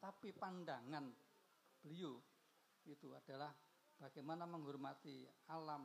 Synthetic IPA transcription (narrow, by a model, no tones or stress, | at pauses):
t̪apipandaŋan | b̥əliu | it̪uad̥a̤lah | b̥a̤ɡ̥amanaməŋɦurmat̪ialam